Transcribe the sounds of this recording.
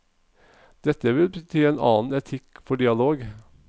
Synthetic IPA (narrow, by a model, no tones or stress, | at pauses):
d̪̥ɛt̪ːəʋɪlbət̪ʰyːeːnɑ̰ːn̩ɛt̪ʰɪkːfɔɖɪɑloːɡ